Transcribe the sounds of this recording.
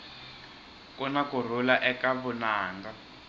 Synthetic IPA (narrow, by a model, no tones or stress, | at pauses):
kɔnakur̤ulaʔɛkaβʊnaːŋɡa